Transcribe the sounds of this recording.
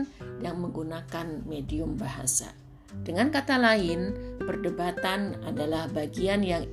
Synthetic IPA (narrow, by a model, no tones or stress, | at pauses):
njaŋməŋɡunakanmediʊmbaɦa̰sa̰ | dəŋankat̪alaɪnpərdəbat̪ana̰dalahbaɡianjaŋ